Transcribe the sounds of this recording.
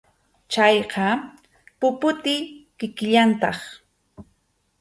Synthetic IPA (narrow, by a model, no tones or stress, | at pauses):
t͡ʃajqɑ | pʊpʊt̪ɪkɪkɪʎant̪ɑχ